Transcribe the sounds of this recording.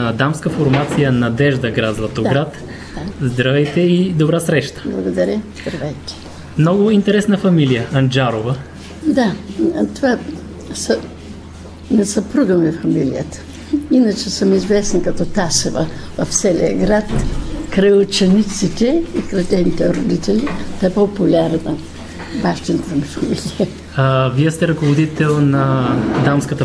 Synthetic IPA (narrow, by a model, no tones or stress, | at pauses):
ɐd̪amskəfoɾmat̪sijənɐd̪ɛʒd̪əɡɾad̪zvɐt̪oɡɾat̪ | zd̪ɾɐvɛjt̪ɛid̪obɾasɾɛʃt̪ə̥blˠɐɡod̪ɐɾʲəzd̪ɾɐvɛjt̪ɛ̥ | mnɔɡʊint̪ɛɾɛsnəfɐmilijəɐnd͡ʒaɾovə | d̪at̪ova | sə | nɛsɐpɾuɡəmɛfɐmilḭjə̰t̪ə̥ | inət͡ʃɛsəmizvɛsnkɐt̪ɔt̪asɛvəvɐft̪sɛlʲḭəɡɾat̪kɾɐjʊt͡ʃɛnit̪sit̪ɛikɾɐt̪ʲɛnit̪ɛɾod̪it̪ɛlʲit̪aɛpopʊlʲaɾnə | baʃt̪int̪t̪əmifɐmilʲijə | aviəst̪ɛɾɐkovod̪it̪ɛlˠnɐd̪amskət̪ə